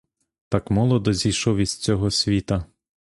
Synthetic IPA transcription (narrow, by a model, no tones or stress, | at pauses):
t̪ɑkmɔlˠɔd̪ɔzʲijʃɔwizt͡sʲɔɦɔsʲʋʲit̪ɐ